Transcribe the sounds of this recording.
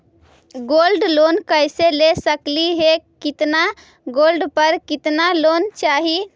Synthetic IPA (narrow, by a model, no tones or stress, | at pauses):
ɡolɖlonkəjselesəkliɦekit̪na | ɡolɖpəɾkit̪nalont͡ʃaɦi